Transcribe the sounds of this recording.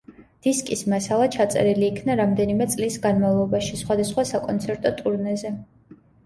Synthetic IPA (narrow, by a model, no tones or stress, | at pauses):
d̪̥iskʼismasalˠat͡ʃʰat̪sʼɛ̰ɾiliːkʰnaɾamd̪ɛnimɛt̪sʼlisɡanmavlˠɔbaʃisχwad̪asχwasakʼɔnt̪sʰɛɾt̪ʼɔt̪ʼuɾnɛzɛ